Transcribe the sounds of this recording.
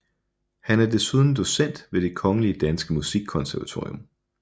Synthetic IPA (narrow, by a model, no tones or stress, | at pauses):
hænæɐd̥e̝suð̞ˠn̩d̥o̝sen̰d̥ʋe̝d̥e̝kʰɒ̽ŋəliəd̥ænsɡ̥əmusiɡ̥kʰɒ̽nsæɐʋæt͡sʰo̝ːijom